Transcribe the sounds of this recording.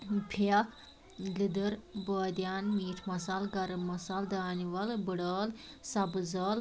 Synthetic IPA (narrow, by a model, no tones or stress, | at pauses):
pʰa | lid̪əɾbəːd̪janmiːʈʰmɐsalɡɐɾɨmmːɐsald̪aːniʋɐlbəɽɐːl | sɐbɨzɐl